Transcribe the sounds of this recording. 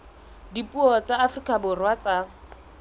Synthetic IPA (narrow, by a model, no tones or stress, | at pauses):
dipʼuɔt͡saːfrikʼabʊrwat͡sa